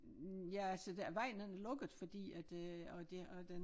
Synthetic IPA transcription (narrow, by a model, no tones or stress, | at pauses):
jæælsəd̥ʋɑ̈ɪ̰nenælɔ̽ɡ̥ð̩ˠfɒ̽d̥ḭːæd̥ɒd̥e̝ɒd̥en